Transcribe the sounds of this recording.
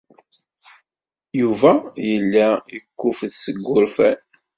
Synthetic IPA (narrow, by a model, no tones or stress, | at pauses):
juvæjəlːaəkːʊfðsəɡʷːʊɾfæn